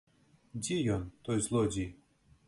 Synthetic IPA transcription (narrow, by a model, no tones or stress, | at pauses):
dʲijɔnt̪ɔjzlˠɔdʲi